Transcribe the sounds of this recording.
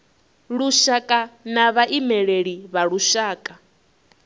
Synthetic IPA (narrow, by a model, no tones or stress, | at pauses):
ɺuʃakʼanaβaʔimɛɺeɺiβaɺuʃaːkʼa